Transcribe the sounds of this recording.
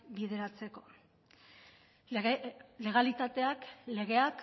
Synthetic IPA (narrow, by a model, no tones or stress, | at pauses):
bið̞e̞ɾat͡se̞ko̞ | le̞ɣ̞alit̪at̪e̞akle̞ɣe̞ak